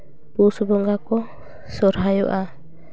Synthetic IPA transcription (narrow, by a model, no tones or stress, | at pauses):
pusbɔŋɡakɔ | sɔɾɦajɔ̰ʔa